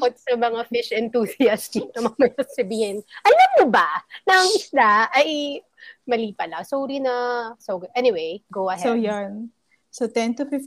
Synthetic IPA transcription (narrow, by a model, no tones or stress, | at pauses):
kot̪̚sɐmɐŋafɪʃʔɛnt̪uːsɪjɐst̪inɐmɐmɐjsɐsɐbiːhɪnʔɐlɐmnʊbɐnɐɐŋɪslaʔɐj | mɐliːpɐlɐsoːɾinɐsoɡʔɛnɪwejɡowɐhɛjan | sot̪ɛnt̪ʊfɪf